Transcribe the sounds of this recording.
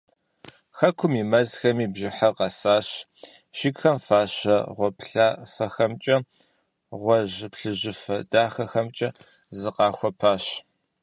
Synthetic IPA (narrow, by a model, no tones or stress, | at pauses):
xɐkʷʰʊmimɐzxɐmiːbʒɪħaqɐsaːɕ | ʃɪkxɐmfaːɕɐʁʷɔpʰɬaːfɐxɐmt͡ʃʼɐ | ʁʷɔʑpɬɨʑɪfɐdaːxɐxɐmt͡ʃʼɐ | zɨqɑːxʷɔpʰaːɕ